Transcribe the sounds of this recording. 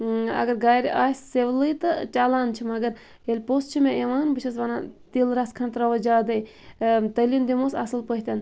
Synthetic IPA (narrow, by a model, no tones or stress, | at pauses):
ɐ̰ɡɐɾɡaːjɾʲʔaːsseʋlɨt̪ɨt͡ʃaːlaːnt͡ʃʰimɐɡɐɾ | elʲpost͡ʃʰimẽeʋaːnbɨt͡ʃʰɐs̬ʋɐnat̪ilɾɐskʰɐnt̪ɾɐʋɐd͡ʒaːd̪ɐj | t̪ɐlʲind̪imoːsɐsɨlpəɦʲt̪ʲɐn